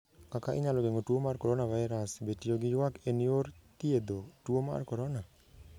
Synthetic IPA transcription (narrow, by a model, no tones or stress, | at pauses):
kakaʔɪɲaloɡeŋotuomarkoɾonavajɾasbetijoɡɪjwakenioɾt̪ied̪otuoma̰rkɔɾɔna